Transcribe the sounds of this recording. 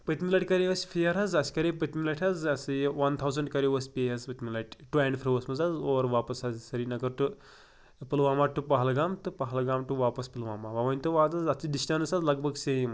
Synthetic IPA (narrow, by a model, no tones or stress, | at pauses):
pət̪mʲilɐʈʲkɐɾeʋɐsʲfʰijɐɾɦɐzɐsʲkɐɾepɐt̪milɐʈʲʰɐzɐsɨʋɐnt̪ʰawzɐɳɖkɐɾeʋɐsʲpʲeːɦɐzpɐt̪milɐʈʲʈuẽɳfʰɾiʋɐsmɐzɐzoːɾʋaːpɐsɐzsɐɾinɐɡɐɾʈu | pilʋaːmaːʈupɐɦɐlɡaːmt̪ɨpɐɦɐlɡaːmʈuʋaːpɐspilʋaːmaʋɐʋɐnʲt̪ɨʋaːd̪ɐzɐt͡ʃiɖisʈɐnɨsazlɐɡbʱɐɡsem